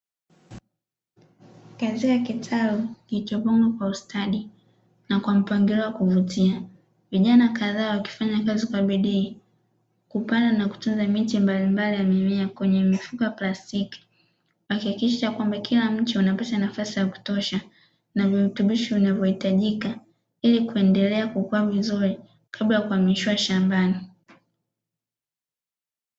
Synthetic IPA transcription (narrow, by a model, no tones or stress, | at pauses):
katikakitʰaluniit͡ʃɔpɔŋɡakwaustʰaɗi | nakwam̩paŋɡiɾɔwakuvutia | viʄanakaðaːwaki̥faɲakazikwaɓiɗiː | kupandanaku̥tunzamitimbalimbalijamimiakwɛɲɛmifukaplastiki̥ | wakihakiʃat͡ʃakwambakʰilam̩t͡ʃiunapatanafasizaku̥tɔʃa | naviutuɓiʃivinavjɔhitaʄika | ilikuɛndɛlɛakukuavizuɾi | kʰablajakuamiʃiwaʃambani